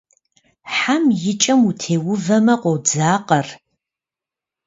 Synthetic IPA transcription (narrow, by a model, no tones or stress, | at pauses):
ħamjɪt͡ʃʼɐmutʰeːwʊvɐmɐqʷɔwd͡zaːqɐr